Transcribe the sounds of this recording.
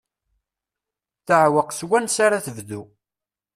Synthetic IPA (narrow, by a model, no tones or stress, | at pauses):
θəʕwəqswænsaɾaθəvðu